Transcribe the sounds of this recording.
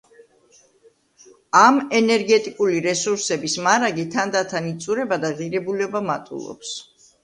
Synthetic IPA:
amɛnɛɾɡɛt̪ʼikʼuliɾɛsuɾsɛbismaɾaɡit̪ʰand̪at̪ʰanit̪sʼuɾɛbad̪aʁiɾɛbulɛbamat̪ʼṵlˠɔ̰ps

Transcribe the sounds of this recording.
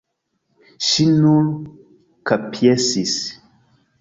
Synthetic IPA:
ʃinul | kapʰjesis

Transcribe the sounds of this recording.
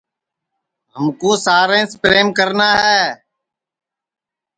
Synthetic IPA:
ɦəmkoːsaːɾẽːspɾeːmkəɾnaːɦɛː

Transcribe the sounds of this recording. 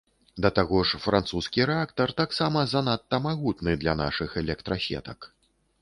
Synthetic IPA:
d̪ɐt̪aɣɔʂfɾʔant̪suskʲiɾɛakt̪ɐrt̪aksamɐzanat̪ːɐmaɣut̪nɨd̪lʲɐna̰ʂɨxɛlʲɛkt̪ɾɐsʲɛ̰t̪ɐk

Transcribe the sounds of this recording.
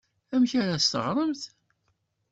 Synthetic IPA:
æmçaɾæst̪ə̰ʁɾˤəmθ

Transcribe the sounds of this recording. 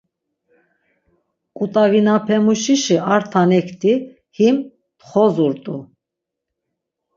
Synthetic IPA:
kʼut̪ʼaɣinapʰɛmuʃiʃiaɾt̪ʰanɛkʰt̪ʰi | him | t̪χɔzuɾt̪ʼu

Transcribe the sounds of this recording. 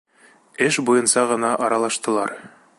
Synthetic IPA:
ɘʃbujɤ̆nsɑʁɤ̆nɑʔɒɾɑlˠɑʃt̪ɤ̆lˠɑ̰ɾ

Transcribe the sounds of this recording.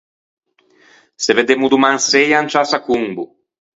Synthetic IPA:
seved̪emud̪umãŋsejant͡ʃasakuŋbṵ

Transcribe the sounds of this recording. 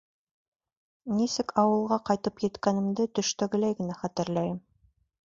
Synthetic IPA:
nisɘkʰɑwɤ̆lˠʁɑqɑjt̪ɤpjɘ̆t̪kænɘ̆md̪ɘt̪ɵ̆ʃt̪æɡɘ̆læjɡɘ̆næχæt̪ɘ̆ɾlæjɘm

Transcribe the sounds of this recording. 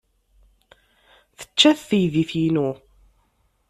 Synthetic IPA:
θə̥t͡ʃːæθθəjðiθjinu

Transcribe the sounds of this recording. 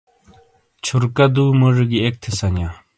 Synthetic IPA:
t͡ɕʰorkad̪umərəkiek̚t̪ʰesaɲa

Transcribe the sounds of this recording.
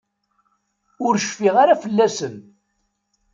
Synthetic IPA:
ʊɾʃfiʁaɾafəlːæsən

